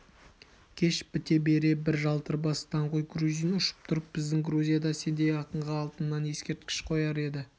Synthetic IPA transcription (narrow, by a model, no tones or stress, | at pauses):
kʲʰe̞ʃbɪt̪e̞be̞ɾe̞bɪɾʒɑlˠt̪əɾbɑst̪ɑɴqojɡɾuzijnʊʃə̥p̚t̪ʰʊɾəp̚b̥ɪzd̪ɪŋɡɾuzʲijad̪ɑse̞nd̪e̞jɑqəɴʁɑːlˠt̪ənːɑnje̞skʲe̞ɾt̪̚kʲɪ̥ʃqʰo̞jɑɾe̞d̪ɪ